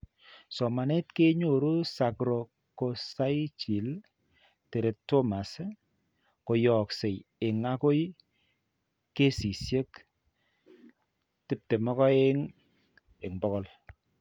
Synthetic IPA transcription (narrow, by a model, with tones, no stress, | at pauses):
sɔ˨ma˨ne˦tke˦ɲo˨ɾu˦sa˨kɾo˨ | ko˨sa˦jt͡ʃi˨l | te˨ɾe˨tːɔ˦ma˨s | ko˨jɔ˨kse˨je˨ŋa˦ko˦j | ke˦si˨sje˦k | tɪ˦p̚te˨mɔ˦kɔ˦e˦ŋ | e˨ŋbɔ˦kɔ˦l